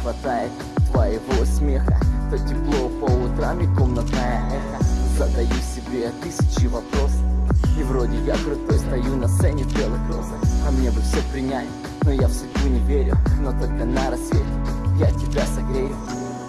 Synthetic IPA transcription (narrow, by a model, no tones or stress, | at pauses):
xvɐt̪ajɪt̪ | t̪vɐjɪvosʲmʲexət̪otʲɪplˠopəʊt̪ɾamʲɪkomnɐt̪najəʔɛxəzɐd̪ɐjufsʲɪbɾʲet̪ɨsʲɪt͡ɕɪvɐpɾo̞sivɾodʲɪjaɡəɾʲʊt̪osʲt̪ɐjunɐst̪ɛnʲɪbʲelˠɨxɾozəkɐmnʲebɨfsʲepɾʲɪnʲalʲ | nojafsʲʊdʲbunʲɪvʲeɾʲʊnot̪olʲkənaɾɐsʲvʲetʲjatʲɪbʲasɐɡɾʲejʊ